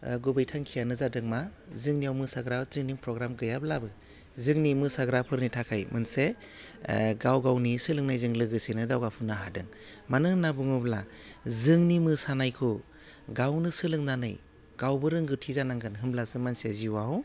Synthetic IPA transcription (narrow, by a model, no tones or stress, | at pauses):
ɡubɯjtʰaŋkʰijanɯzadɯŋmazɯŋniawmɯsaɡɾazɯŋniŋpʰɾɔɡɾamɡɯjablabɯ | zɯŋnimɯsaɡɾapʰɯɾnitʰakʰajmɯnse | ɡawɡawnisɯlɯŋnajzɯŋlɯɡɯsenɯdawɡapʰunaɦadɯ̰ŋ | manɯŋnabɯŋɯbla̰ | zɯŋnimɯsanajkʰɔ | ɡawnɯsɯlɯŋnanɯ̰j | ɡ̥awbɯɾɯŋɡɯtʰizanaŋɡɯnɦɯmblasɯmansiaziwaw